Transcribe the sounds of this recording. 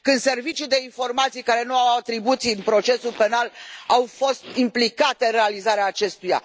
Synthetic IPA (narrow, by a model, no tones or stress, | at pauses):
kɨnse̞rvit͡ʃid̪e̞info̞rmat̪sijkaɾe̞nuawat̪ɾibut̪siɨnpɾo̞t͡ʃe̞sulpe̞nalawfo̞st̪implikat̪e̞realizaɾeaːt͡ʃe̞st̪uja̰